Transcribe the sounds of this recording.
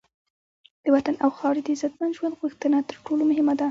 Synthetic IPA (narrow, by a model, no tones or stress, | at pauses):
d̪̥əwat̪anʔawxɑɽid̪əzat̪̚manʒwand̪ɣuxt̪ənat̪əɾʈolomʊɦɪmad̪a